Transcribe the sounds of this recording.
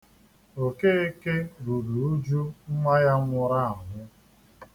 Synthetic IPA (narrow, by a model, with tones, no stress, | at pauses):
o˨ke˦e˦ke˦ɾu˨ɾu˨u˦d͡ʒu˦ŋ͡m̩˦mʷa˦ja˦ŋʷʊ˦ɾa˦a˨ŋʊ˦